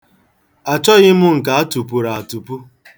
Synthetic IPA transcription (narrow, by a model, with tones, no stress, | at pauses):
a˨t͡ʃɔ˦ɣɪ˦mʊ˦ŋ̩˨ka˨a˦tu˨pu˨ɾa˨a˨tu˨pu˦